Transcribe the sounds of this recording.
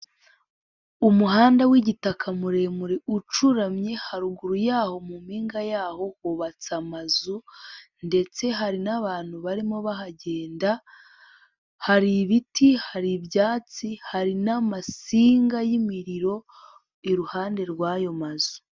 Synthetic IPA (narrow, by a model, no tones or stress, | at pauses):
umuɦaːndawiɟitakʰamuɾemuɾeut͡ʃuɾamɲe̞haɾuɡuɾujaːho̞mumiːŋɡajaːho̞hoβat͡samazunde̞t͡se̞ɦaɾinaβaːn̥huβaɾimo̞βaɦaɟe̞ːnda | haɾiβitʰihaɾibjaːt͡sihaɾinamasiːŋɡajimiɾiɾo̞ | iɾuhaːnde̞ɾɡwaːjo̞mazu̥